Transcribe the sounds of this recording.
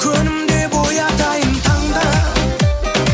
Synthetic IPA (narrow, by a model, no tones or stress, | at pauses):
kɯnɯmd̪ebojataintʰaŋd̪a